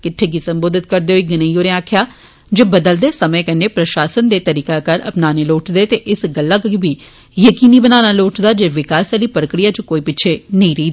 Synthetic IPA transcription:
kɪʈʰːeːɡiːsəmboːd̪ɪt̪̚kəɾd̪eːɦoiːɡɪnəijoːɾẽaːkʰjaː | d͡ʒeːbəd̪əld̪eːsəmẽːkəneːpɾəʃaːsənd̪eːt̪əɾiːkaːkəɾə̰pnaːneːloːʈd̪eːt̪eːʔɪsɡəlːaːkbiː | jəkiːniːbənaːnaːloːʈd̪aːd͡ʒeːʋɪkaːsəliːpəɾəkɽijaːt͡ʃəkoːiːpɪːt͡ʃʰeːnəĩːɾəiːd̪a

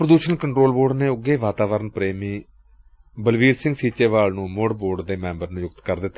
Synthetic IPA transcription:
pɾəd̪uːʃənkəɳʈɾoːlboːɖneːʊɡːeːʋaːt̪aːʋəɾənpɾeːmiː | bəlʋiːɾsɪ̃ŋɡsiːt͡ʃeːʋaːlnũːmoːɖboːɾɖd̪eːmɛ̃ːmbəɾnũːjʊkt̪kəɾd̪ɪt̪ːa

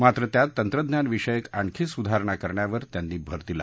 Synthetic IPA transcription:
mat̪ɾət̪jat̪ːənt̪ɾəd̪njanʋiʂəjekaɳkʰisud̪ʱaɾɳ̃akəɾɳjaʋəɾt̪janːiːbʱəɾt̪ila

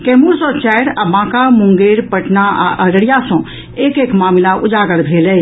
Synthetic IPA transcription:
kɛːmuɾsɔ̃t͡ʃɛɽabãːkamũŋɡeːɾpəʈnaa̰ʔəɾəɽijasɔ̃ | eːkeːkmaːmilaʔʊd͡ʒaːɡəɽbʱeːlɛ

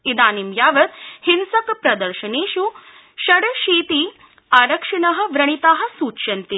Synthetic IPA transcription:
id̪aːnimjaːʋɐt̪hinsɐkpɾɐd̪ɐɾʃɐneːʃu | ʃɐɽʃiːt̪iː | aːɾɐkʂinɐɦɐ̆ʋɾɐɳ̃it̪aːɦɐ̆suːtʃɐnt̪i

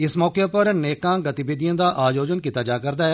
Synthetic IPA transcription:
ɪsmɔːkepəɾneːkãːɡət̪ibeːd̪ijãːd̪aːʔaːd͡ʒoːd͡ʒənkit̪aːd͡ʒaːkəɾd̪aːɛ

